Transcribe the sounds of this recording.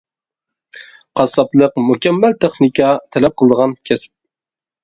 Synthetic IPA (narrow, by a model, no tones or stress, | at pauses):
qʰɑsɑplˠəqmukʲɛmːælt̪ʰeχnɪkʲɑt̪ʰɛlɛp̚qʰəlˠɨd̪əʁɑnkʲʰɛsɪ̥p̚